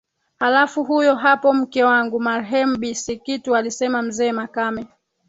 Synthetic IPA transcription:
halafuɦujɔɦapɔm̩kɛwaŋɡumaɾɦɛm̩ɓisikitualisɛmam̩zɛːmakamɛ

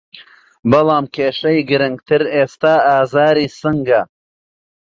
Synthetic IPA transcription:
bɐlˠɑːmkʰʲeːʃɐjɡɨɾɨŋɡt̪ʰɨɾeːst̪aːaːzaːɾiːsɨŋɡɐ

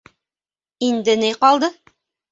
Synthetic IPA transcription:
ind̪ɘniqɑlˠd̪ɤ

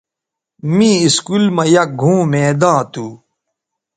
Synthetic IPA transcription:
mĩiskulmɐjɐk̚ɡʱũːmeːd̪ãːt̪uː

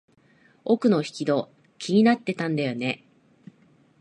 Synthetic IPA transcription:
o̞kɯ̟no̞çi̥kʲid̪o̞ | kʲʰiɲ̟inat̪ːe̞t̪ãnd̪ajo̞ne̞

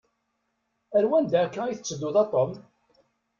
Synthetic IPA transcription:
æɾwænd̪æːkːæiθət͡sːəd̪ːʊðɑt̪ˤːom

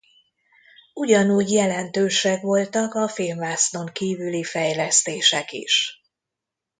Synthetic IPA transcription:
uɟɒnuːɟjɛlɛnt̪øːʃɛkʋo̞lt̪ɒkɒfilmvaːsno̞ŋkiːvylifɛjlɛst̪eːʃɛkḭʃ

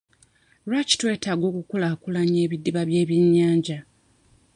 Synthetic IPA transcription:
ɾaci̥twe̞ːtaːɡo̞ːkukulakulaɲeːβidːiβaβje̞ːβjeɲːaːɲɟa

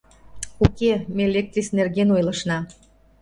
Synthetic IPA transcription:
ukemelek̚t̪ɾisnerɣenojlə̆ʃnɑ

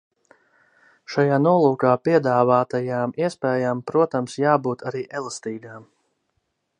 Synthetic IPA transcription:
ʃajaːnuɔlˠuːkaːpiɛd̪aːvaːt̪ajaːmiɛspɛːjaːmpɾuɔt̪amsjaːbuːt̪ʰaɾiːʔɛlˠast̪iːɡaːm

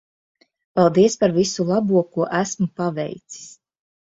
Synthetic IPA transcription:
palˠd̪iɛspaɾvisulˠabuɔkuɔʔæsmupavɛ̰jt̪si̥s

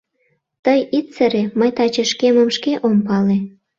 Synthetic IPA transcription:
t̪əjit̪t͡səɾeməjt̪ɑt͡ɕeʃkeməmʃkeʔompɑle

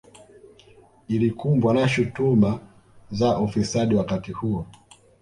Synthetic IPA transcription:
ilikumbwanaʃutuma | zaʔɔfisaɗiwakatihuɔ

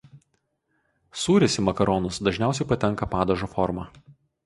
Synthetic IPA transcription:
suːɾʲɪsʲimɐkɐɾɔnʊsd̪ɐʒʲnʲæˑʊsʲɛɪpɐt̪ʲɛŋkɐpɑːd̪ɐʒoːfɔɾmɑː

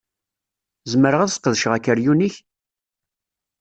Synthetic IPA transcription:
zəməɾəʁaðsqːəðʃʁækːəɾjuniç

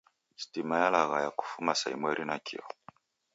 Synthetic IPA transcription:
si̥timajalaɣajaku̥fumasaimwɛɾinakʰḭɔ

